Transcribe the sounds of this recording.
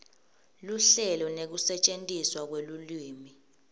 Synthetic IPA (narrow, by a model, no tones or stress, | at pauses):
luɬɛlɔnek̬usɛt͡ʃʼentʼiswak̬weluliːmi